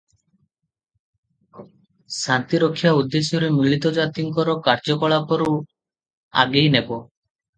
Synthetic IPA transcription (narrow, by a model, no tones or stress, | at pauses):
sant̪iɾɔkʰːjaud̪ːesjɔɾemiɭit̪ɔd͡ʒat̪iŋkɔɾɔkaɾd͡ʒɔkɔɭakɔɾu | a̰ɡejnebɔ